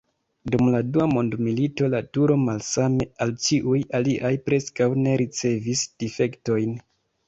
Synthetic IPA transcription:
dumladuamo̞ndmilito̞latuɾo̞malsame̞alt͡ʃiʔujaliʔajpɾe̞skawne̞ɾit͡se̞visd̥ife̞kto̞jn

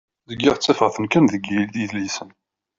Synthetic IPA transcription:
ðəɡːiʁt͡sːæfəʁθənkənðəɡilθiðlisən

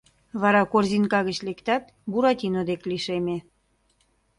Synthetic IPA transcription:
βɑɾɑkorzinkɑɣət͡ɕlekt̪ɑt̪̚ | buɾɑt̪ʲinod̪ekliʃeme

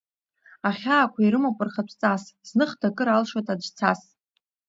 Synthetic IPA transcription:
aχʲaːkʷʰaiɾɨmapʷʼʊrχapʷʰt͡sʼasznɨχdakʼɨɾalʂwatʼad͡ʒt͡sʰas

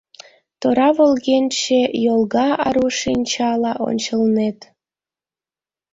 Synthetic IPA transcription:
t̪oɾɑβolɣenʲt͡ɕejolˠɣɑɑɾuʃinʲt͡ɕɑlɑʔo̰nʲt͡ɕəlnet̪

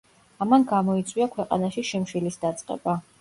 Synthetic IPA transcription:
amanɡamɔit̪sʼwiakʰwɛqʼa̰naʃiʃimʃilisd̪at̪sʼqʼɛ̰ba

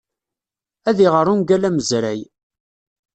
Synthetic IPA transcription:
æðiʁəɾˤunɡælæməzɾæj

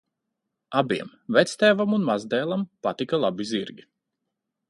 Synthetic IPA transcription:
abiɛm | vɛt̪st̪ɛːvamunmazd̪ɛːlˠampat̪ikalˠabiziɾɡʲi

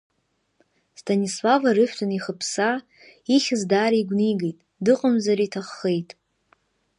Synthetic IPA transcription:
stʰanislavaɾɨftʰʼaniχəpʰsa | iχʲɪzdaːɾiɡʷniɡejtʼ | dɨqʼəmzaɾitʰaχːejtʼ

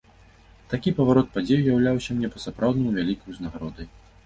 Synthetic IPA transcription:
t̪akʲipɐvaɾɔt̪̚pad͡zʲejujawlʲawsʲɐmnʲɛpɐsapɾʔawd̪nɐjuvʲalʲikɐjuznaɣaɾɔd̪ɐj

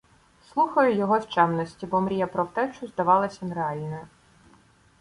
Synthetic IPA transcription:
slˠuxɐjʊjɔɦɔwt͡ʃɛmnɔsʲtʲibɔmɾʲijɐpɾɔwt̪ɛt͡ʃʊzd̪ɐʋɑlˠɐsʲɐnɾeɑlʲnɔjʊ

